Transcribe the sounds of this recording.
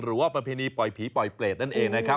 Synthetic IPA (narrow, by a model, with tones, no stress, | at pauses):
ɾɯː˩˦waː˥˩pɾa˧pʰeː˧niː˧pɔ˨˩jpʰiː˩˦pɔ˨˩jpleː˨˩t̪̚na˥˩nʔeː˧ŋna˦˥kʰa˦˥